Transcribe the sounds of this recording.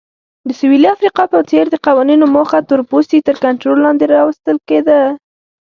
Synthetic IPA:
d̪əsʊwiliafɾiqɑpət͡seɾd̪əqawɑninomoxat̪ʊɾpost̪it̪əɾkaɳʈɾolːɑnd̪eɾɑwəst̪əlked̪a

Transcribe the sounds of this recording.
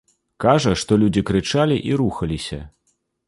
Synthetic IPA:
kaʐɐʂt̪ɔlʲud͡zʲikɾɨt͡ʂalʲiʔiɾuxɐlʲisʲɐ̰

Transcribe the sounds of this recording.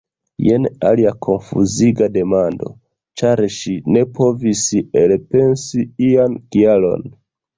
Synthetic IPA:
jena̰liakʰo̞nfṵziɡade̞mando̞̰ | t͡ʃaɾʃine̞pʰo̞viselpe̞nsiiankialo̞̰n

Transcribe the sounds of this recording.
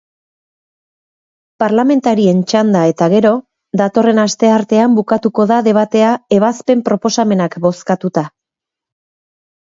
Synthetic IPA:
paɾlame̞nt̪aɾie̞nt͡ʃand̪ae̞t̪aɣe̞ɾo̞ | ðat̪o̞re̞nast̪e̞aɾt̪e̞ambukat̪uko̞ðaðe̞β̞at̪e̞ae̞β̞aspe̞mpɾo̞po̞same̞nakbo̞skat̪ut̪a

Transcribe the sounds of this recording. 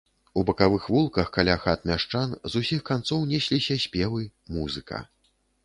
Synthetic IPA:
ubɐkavɨxvulˠkɐxkalʲaxat̪̚mʲaʂt͡ʂanzusʲixkant̪sɔwnʲɛsʲlʲisʲɐsʲpʲɛvɨmuzɨkɐ̰

